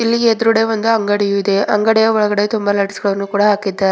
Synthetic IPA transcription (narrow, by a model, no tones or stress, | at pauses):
ilːiɡeːd̪ɾuɽeʋond̪uɐŋɡɐɽijuid̪e̞ɐŋɡɐɽɛjɐɔɭɐɡɐɽe̞t̪umbɐlɐɽisiɡɐɭɐʋɐnːukuːɽɐɦaːkid̪ːaːɾe